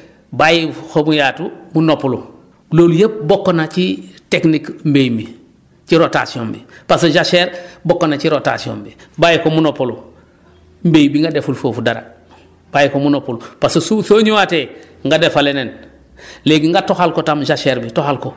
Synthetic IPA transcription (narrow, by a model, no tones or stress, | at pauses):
bajixomujaːtumunopulu | loːljep̚bokːonat͡ʃiteknikmbejmbi | t͡ʃiɾota̰sioːmbḭpasoʒaʃeɾbokːonat͡ʃiɾota̰sio̰ːmbibajikomunopulu | mbejbiŋɡadefulfoːfudaɾa̰ | b̥ajikomunopulupasosusoːɲuwate | ŋɡadefalenen | leːɡiŋɡatoxalkotamd͡ʒaʃeɾbitoxalko